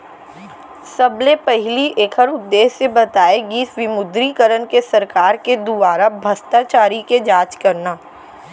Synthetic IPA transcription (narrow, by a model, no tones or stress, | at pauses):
sɐbnepɛɦliʔeːkʰəɾʊd̪ːeːsebɐt̪aːeɡiːsʋɪmʊd̪ɾikəɾənkesɐɾkaːɾked̪uʋaːɾabʱɐst̪at͡ʃaːɾiked͡ʒaːt͡ʃkɐɾnaː